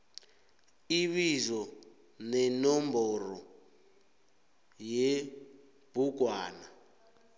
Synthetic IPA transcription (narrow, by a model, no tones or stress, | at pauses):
iβizɔ | nɛnɔmbɔrɔ | jɛ | b̥uɡʱwaːna